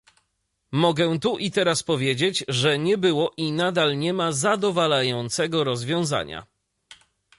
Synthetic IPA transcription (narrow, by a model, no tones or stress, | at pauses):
mɔɡɛ̃t̪uʔit̪ɛɾaspɔvʲjed͡ʑed͡ʑʐɛɲɛbɘwɔʔinad̪alɲɛmazad̪ɔvalajɔnt̪sɛɡɔɾɔzvʲjɔ̃w̃za̰ɲa̰